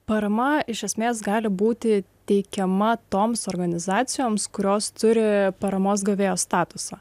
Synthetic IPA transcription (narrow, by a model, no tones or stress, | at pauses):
pɐɾɐmɐɪʃʲɛsʲmʲeːsɡɑːlʲɪbuːt̪ʲɪt̪ʲɛɪkʲɛmɐt̪oːmsoːɾɡɐnʲɪzɑːt̪sʲɪjoːmskʊɾʲoːst̪ʊɾʲɪpɐɾɐmoːs̬ɡɐʋʲeːjoːst̪ɑːt̪ʊsɑː